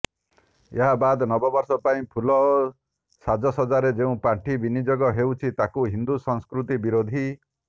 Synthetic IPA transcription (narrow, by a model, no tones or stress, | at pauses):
eɦabad̪nɔbɔbɔɾsɔpaĩpʰulɔ | sad͡ʒɔsɔd͡ʒaɾed͡ʒeũpaʈʰibinid͡ʒɔɡɔɦewt͡ʃʰit̪akuɦind̪usɔŋskɾut̪ibiɾod̪ʱi